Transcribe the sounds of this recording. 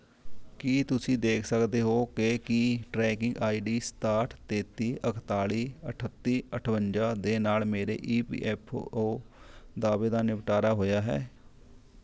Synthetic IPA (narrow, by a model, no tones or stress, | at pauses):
kiːt̪ʊsĩːd̪eːkʰsəkd̪eːɦoːkekiʈɾɛːkɪŋɡaːiːɖiːst̪aːʈʰt̪eːt̪iːʔəkʰt̪aːliːəʈʰət̪ːiːəʈʰʋəɲd͡ʒaːd̪eːnaːlmeːɾḛːʔiːpḭːʔɛːpʰoːd̪aːbeːd̪aːnɪʋʈaːɾaːɦoːjaːɦɛ̰ː